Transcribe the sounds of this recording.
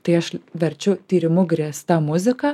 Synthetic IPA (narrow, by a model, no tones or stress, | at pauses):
t̪ɐɪɐʃʋʲɛɾʲt͡ʃʲʊt̪ʲiːɾʲɪmʊɡɾʲiɛst̪ɑmʊzʲɪkɑː